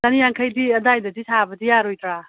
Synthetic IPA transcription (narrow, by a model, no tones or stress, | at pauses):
tanijaŋkʰajdiɐdajdɐdisʰabɐdijaɾojtɾa